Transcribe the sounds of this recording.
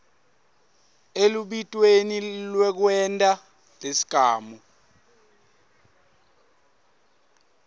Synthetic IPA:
eluɓitʼwenilwɛk̬wɛntʼa | lesi̥ɡ̥ʱaːmu

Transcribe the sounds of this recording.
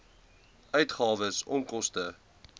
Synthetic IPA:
œɥtχɑːvəsɔ̰ŋkɔstə

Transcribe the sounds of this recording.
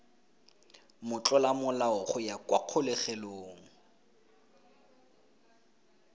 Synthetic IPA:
mʊt͡ɬʼɔlamʊlaʊχʊjakʼwaq͡χʰʊlɛχɛloːŋ̩

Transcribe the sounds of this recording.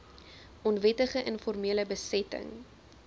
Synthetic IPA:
ɔnvɛtəχəʔənfɔrmiələbəsɛtə̰ŋ

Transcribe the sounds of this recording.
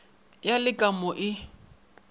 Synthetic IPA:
jalɪkʼamʊʔɪ

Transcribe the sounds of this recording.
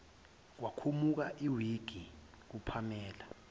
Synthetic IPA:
k̬wakʰumuk̬aʔiwiɡ̥ʱi | k̬upʰamɛːla

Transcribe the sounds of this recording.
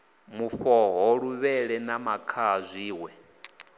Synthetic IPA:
muɸɔɦɔɺuβɛɺɛnamakʰazʷiːwɛ

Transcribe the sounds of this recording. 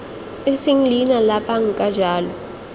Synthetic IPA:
esiŋ̩linalapʼaŋ̩kʼad͡ʒʱaːlɔ

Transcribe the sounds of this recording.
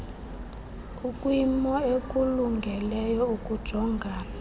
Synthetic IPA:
ukʼwimɔekʼuluŋɡʱɛlɛjɔukʼud̥ʒ̥ʱɔŋɡʱaːna

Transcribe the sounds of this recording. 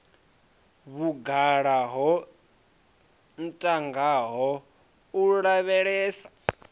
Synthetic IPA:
βuɡaɺaɦɔ | n̩tʼaŋɡaɦɔ | uɺaβɛɺɛːsḁ

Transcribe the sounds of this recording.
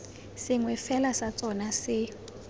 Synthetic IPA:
sɪŋwɛfɛlasat͡sʼɔnasɪ

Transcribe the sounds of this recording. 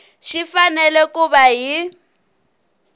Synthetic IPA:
ʃʰifanɛlɛkʼubaɦi

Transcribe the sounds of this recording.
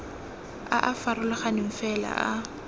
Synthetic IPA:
aʔafarʊlɪχanɪɱ̩fɛla̰ʔa

